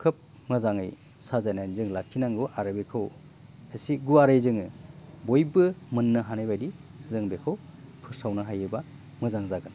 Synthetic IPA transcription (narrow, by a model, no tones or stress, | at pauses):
kʰɯp̚ | mɯzaŋɯj | sazajnajnzɯŋlakʰinaŋɡoʔaɾɯbekʰɯw | esiɡuaɾɯjzɯŋɯbojbɯmɯnːɯɦanajbajdizɯŋbekʰɯwpʰɯsawnaɦajɯba | mɯzaŋzaɡɯn